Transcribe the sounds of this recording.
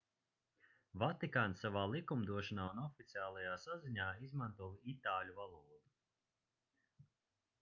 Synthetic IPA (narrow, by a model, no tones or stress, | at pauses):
vat̪ikaːnsavaːlˠikumd̪uɔʃɔnaːunɔfit̪siaːlˠajaːsaziɲaːizmant̪uɔːvit̪aːlʲuvalˠuːd̪u